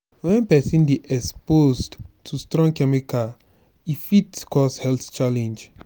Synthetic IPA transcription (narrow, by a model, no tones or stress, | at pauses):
wɛ̃npɛsĩnbeʔɛkspozdtʰustɹɔ̃ŋkɛmika | ifitkɔshɛlθt͡ʃalɛ̃nd͡ʒ